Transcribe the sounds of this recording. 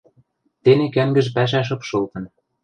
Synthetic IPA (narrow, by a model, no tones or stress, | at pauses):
t̪enekæŋɡɘ̆ʒpæʃ̬æʃ̬ɤ̆pʃɤ̆lt̪ɤ̆n